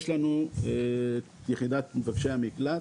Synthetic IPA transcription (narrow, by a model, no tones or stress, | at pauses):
ʃlanue | jeχid̪at̪mevaɡʃeamikla